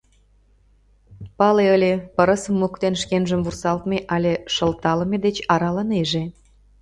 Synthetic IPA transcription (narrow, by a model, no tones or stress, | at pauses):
pɑleəlʲepəɾə̆səmːukt̪enʃkenʒəmvursɑlt̪meʔɑlʲeʃə̆lt̪ɑlə̆med̪et͡ɕɑɾɑləneʒe